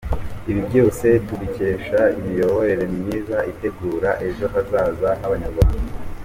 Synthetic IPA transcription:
iβibɟo̞ːse̞tuβice̞ːʃaimijo̞βo̞ɾe̞ɾe̞mniːzaʔite̞ɡuːɾaʔe̞ʒo̞ɦazaːzanaβaɲaɾβa

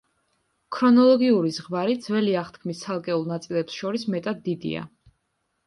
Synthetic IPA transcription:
kʰɾɔnɔlˠɔɡiuɾizʁmaɾid̪z̥wɛliaχt̪kʰmist̪sʰalˠkʼɛulˠnat̪sʼilɛpsʃɔɾismɛt̪ʼad̪ːid̪ḭa̰

